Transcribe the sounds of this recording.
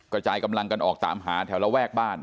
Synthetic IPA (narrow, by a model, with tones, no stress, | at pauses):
kɾa˧t͡ɕaː˧jka˧mla˧ŋka˧nʔɔː˨˩k̚t̪a̰ː˩˦mɦaː˩˦t̪ʰɛː˩˦wla˦˥˩wɛː˥˩k̚baː˥˩n